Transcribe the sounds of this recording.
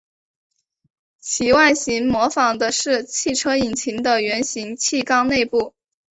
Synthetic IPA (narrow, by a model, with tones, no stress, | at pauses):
t͡ɕʰi˧˥wa˥˩nɕi˧˥ŋmwɔ˧˥fɑ˨˩ŋd̪ə˦ʂɻ̩˥˧t͡ɕʰi˥˩ʈ͡ʂʰɤ˥i˨˩nt͡ɕʰi˧˥ŋd̪ə˧ɥɛ˧˥nɕi˧˥ŋt͡ɕʰi˥˩kɑ˥ŋne˥˧ɪpu˥˩